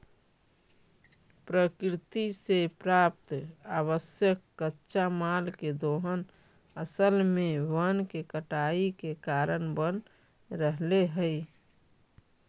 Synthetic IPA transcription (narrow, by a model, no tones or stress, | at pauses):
pɾəkɾɪt̪isepɾap̚t̪aβəsjəkːətːʃamalked̪oɦən | əsəlmẽʋənkekəʈaikekaɾənbən | ɾəɦleɦəɪ